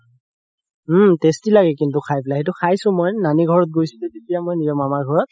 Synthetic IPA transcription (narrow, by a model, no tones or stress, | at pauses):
testilaɡɛkintʊkʰajpilaɦet̬ʊkʰajsʊ̃mojnaniɡʱɔɹɔt̚ɡojsutetetijamojnizɔmamaɡʱɔɹɔt̚